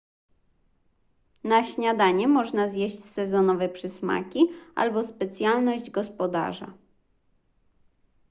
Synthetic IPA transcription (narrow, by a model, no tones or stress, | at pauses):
naɕɲad̪aɲɛmɔʐnazjeɕt͡ɕsɛzɔnɔvɛpʂɘsma̰kʲiʔa̰lbɔspɛt̪sʲjalnɔʑd͡ʑɡɔspɔd̪a̰ʐa̰